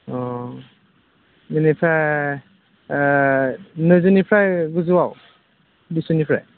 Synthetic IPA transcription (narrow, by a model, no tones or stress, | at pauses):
ɔ | ninipʰɾaj | nɯzunipʰɾajɡuzuwaw | bisunipʰɾa̰j